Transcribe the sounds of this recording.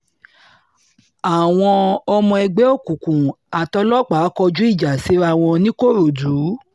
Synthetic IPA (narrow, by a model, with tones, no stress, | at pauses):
a˨w̃ɔ̃˧ɔ˧mɔ̃˧ɛ˧ɡ͡bɛ˦o˦˨kũ˨kũ˨ | a˨tɔ˧˦lɔ˦k͡pa˨˦kɔ˧d͡ʒu˦i˦˨d͡ʒa˨si˨˦ɾa˦˨w̃ɔ̃˧nĩ˦ko˦˨ɾo˨du˨˦